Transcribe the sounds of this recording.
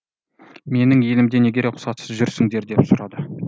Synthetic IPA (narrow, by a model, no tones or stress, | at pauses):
me̞nɪŋje̞lɪmd̪e̞ne̞ɡʲe̞ɾeqʰʊ̥sɑt̪səzʒʏɾsɪŋd̪e̞ɾd̪epsʊɾɑd̪ə